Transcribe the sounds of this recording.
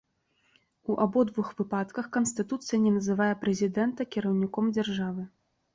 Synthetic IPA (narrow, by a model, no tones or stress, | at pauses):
uʔabɔd̪vuxvɨpat̪kɐxkɐnsʲt̪ɨt̪ut̪sɨjɐnʲɛnɐzɨvajɛpɾɛzʲid̪ɛnt̪ɐkʲiɾɐwnʲikɔmd͡zʲarʐavɨ